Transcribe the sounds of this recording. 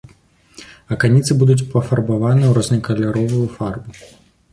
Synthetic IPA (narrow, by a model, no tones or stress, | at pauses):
ɐkanʲit̪sɨbud̪ut͡sʲpɐfɐrbavanɨwɾɔznʲɐkɐlʲaɾɔvujufarbu